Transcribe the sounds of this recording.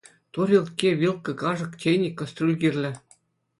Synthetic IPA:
t̪uɾʲilˠt̪kʲeʋʲilˠkɤ̆kɑʐɤ̆ktʲenʲikːŏst̪rʲulʲɡʲirʲlʲɘ̆

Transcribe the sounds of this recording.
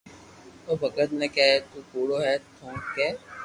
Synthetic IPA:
oːbʱɐkət̪nẽkɛt̪uːkuːɽoɦɛːt̪ʰõːkɛː

